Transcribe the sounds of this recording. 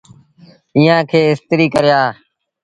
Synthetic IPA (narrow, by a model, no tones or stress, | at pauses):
iːãːkʰeːɪst̪ɾiːkəɾjaː